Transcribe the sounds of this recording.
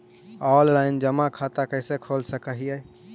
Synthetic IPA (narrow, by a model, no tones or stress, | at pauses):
ɔllaɪnd͡ʒəmãkʰat̪akəɪsekʰolsəkəɦijə